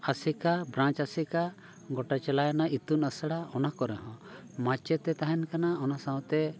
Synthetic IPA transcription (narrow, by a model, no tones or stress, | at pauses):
asikabɾãt͡ʃasika | ɡɔʈat͡ʃɛlajanait̪unəsəɽaɔnakɔɾɛɦɔ̃ | mat͡ʃɛt̪ɛt̪aɦɛnkanaɔnasaw̃t̪ɛ